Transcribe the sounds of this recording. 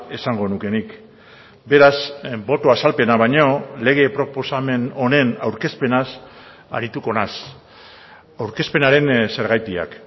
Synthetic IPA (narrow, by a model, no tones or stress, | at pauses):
e̞saŋɡo̞nuke̞nik | be̞ɾazbo̞t̪oasalpe̞naβ̞ajɲo̞le̞ɣ̞e̞pɾo̞po̞same̞no̞ne̞nawɾke̞spe̞nas | a̰ɾit̪uko̞nas | awɾke̞spe̞naɾe̞nse̞ɾɣajt̪ia̰k